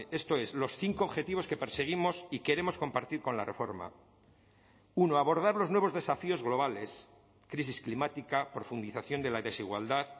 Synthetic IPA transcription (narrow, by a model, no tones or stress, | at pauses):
e̞st̪o̞e̞zlo̞sθiŋkoːβxe̞t̪iβ̞o̞ske̞peɾseɣ̞imo̞sike̞ɾe̞mo̞sko̞mpaɾt̪iɾko̞nla̰re̞fo̞ɾma̰ | uno̞aβo̞ɾð̞aɾlo̞znwe̞βo̞zðe̞safio̞zɣlo̞β̞ale̞s | kɾis̬isklimat̪ikapɾo̞fund̪iθaθjo̞nd̪e̞laðe̞siɣwa̰ld̪að